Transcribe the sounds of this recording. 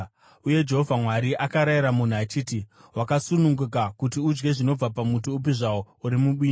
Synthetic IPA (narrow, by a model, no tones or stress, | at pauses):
uje̞d͡ʒe̞ɦo̞vʱamwaɾiʔakaɾaiɾamun̤uat͡ʃiːtiwakasunuŋɡuk̬akutiud͡ʒɡe̞ʐino̞b͡vapamutuːp̬iʐawo | uɾimuɓiːn